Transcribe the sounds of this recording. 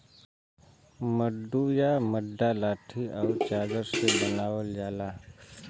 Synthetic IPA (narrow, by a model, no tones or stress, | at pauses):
məɖːujaməɖʱːalaʈʰiawt͡ɕad̪əɾsebənaʋəljala